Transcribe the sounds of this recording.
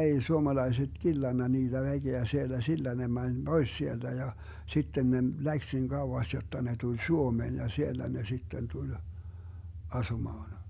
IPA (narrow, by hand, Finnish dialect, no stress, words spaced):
ei suomɑlɑiset kilːɑnːɑ niːd̥æ ʋæɡ̊eæ sielːæ silːæ ne mænʲ b̥ois sield̥æ jɑ sitːen ne læks nin kɑuwɑs jotːɑ ne tulʲ suomeːn jɑ sielːæ ne sitːen tulʲ ɑsumɑːn